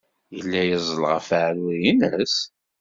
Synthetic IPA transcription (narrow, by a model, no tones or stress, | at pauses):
jəlːæjəzˤəlʁəfəʕɾijinəs